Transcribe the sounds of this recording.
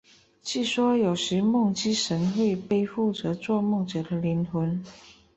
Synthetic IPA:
t͡ɕi˥˩ʂwɔ˥jo˨˩ʊʂɻ̩˧˥mʊ˥˩ŋt͡ɕi˥ʂə˧˥nxwe˥˧ɪpe˥˧ɪfu˥˩t͡sɤ˧˥t͡swɔ˥˧mʊ˥˩ŋʈ͡ʂɤ˨˩d̪ə˦li˧˥nt̪ʰwə˧˥n

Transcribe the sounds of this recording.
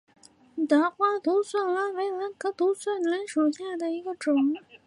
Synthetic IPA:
t̪a˧˥xwa˥t̪u˧˥swa˥˩nwa˧˥nwe˧˥ɪla˧˥nkɤ˧˥t̪u˧˥swa˥˩nla˧˥nʂu˨˩ɕja˥˩d̪ə˩i˧˥ɡə˧ʈ͡ʂʊ˨˩˦ŋ

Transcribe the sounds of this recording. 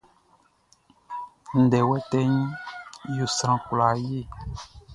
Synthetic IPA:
n̩˨dɛ˨wɛ˦tɛ˦ɲ˦jo˦˨sɾã˦kla˨je˦˨

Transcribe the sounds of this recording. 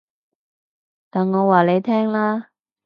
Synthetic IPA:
t̪aː˨˩nŋɔː˨˧waː˨le˨˧jt̪ʰɛː˥ŋlaː˥

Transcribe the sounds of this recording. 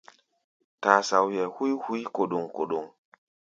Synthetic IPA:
ta˨sa˨wjɛ˨hu˦hu˦i˦ko˨ɗo˨ŋko˨ɗo˨ŋ

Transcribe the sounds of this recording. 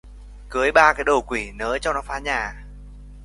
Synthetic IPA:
kɨ˨˦əjɓaː˧kaː˨˦jɗo˨˩kwi˧˩nəː˨˦t͡ɕɔ˧ŋ͡mnɔ˨˦faː˧˥ɲaː˨˩

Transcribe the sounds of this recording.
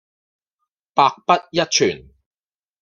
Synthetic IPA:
paː˧k̚pɐ˥t̚jɐ˥t̚t͡ʃʰyː˨˩n

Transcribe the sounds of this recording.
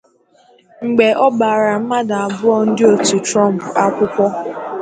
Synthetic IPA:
ŋ͡m̩˨ɡ͡be˨ʔɔ˦ba˨ɾa˨m̩˦ma˦da˨a˨bʊ˦ɔ˦n̩˦dɪ˦o˨tu˨tɾɔ˦˨m̩˨pʊ˨a˦kʷʊ˦kʷɔ˦

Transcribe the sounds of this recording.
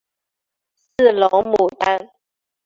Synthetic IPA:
s̩˥˩lɔ˨˧˦ŋmu˨˩t̪a˦˥n

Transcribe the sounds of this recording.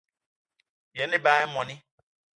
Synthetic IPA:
jɛ˨˦nɪ̃˦ba˦ɪ˦mɔ̃˨nɪ̃˦

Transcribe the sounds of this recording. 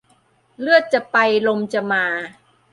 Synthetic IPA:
lɯ˥˩ət̪̚t͡ɕa˨˩pa˧jlo˧mt͡ɕa˨˩maː˧

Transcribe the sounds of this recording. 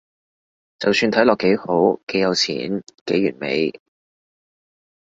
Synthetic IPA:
t͡sɐ˨wsyː˧nt̪ʰɐ˨˥jlɔː˨kːe˨˥jho˨˥wke˨˥jɐ˨˧wt͡sʰḭː˨˥nke˨˥jyː˨˩nmḛ˨˧j

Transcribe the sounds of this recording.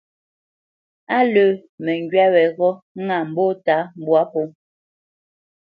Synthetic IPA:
a˦lə˨mɛ˨ŋɡɥa˦wɛ˨ɣɔ˦ŋa˨m̩˨bo˦ta˨˦m̩˨bwa˦po˦

